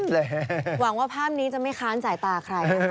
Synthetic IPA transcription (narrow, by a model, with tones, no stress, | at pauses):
lːwa˨˩˦ŋwaː˥˩pʰaː˥˩m̚niː˦˥t͡ɕa˨˩ma˥˩jxʰaː˨˦˥nsaː˩˦jt̪aː˧kʰɾa˧j